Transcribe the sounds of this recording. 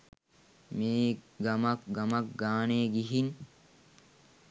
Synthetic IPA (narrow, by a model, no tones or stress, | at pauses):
meːɡɐmɐkɡɐmɐkɡaːneːɡiɦin